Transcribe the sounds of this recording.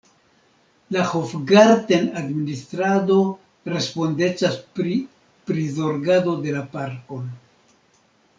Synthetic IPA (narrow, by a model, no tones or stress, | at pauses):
lahofɡaɾtenadministɾado̞ | ɾe̞spo̞nde̞t͡ʃaspɾi | pɾizo̞ɾɡado̞de̞lapaɾko̞n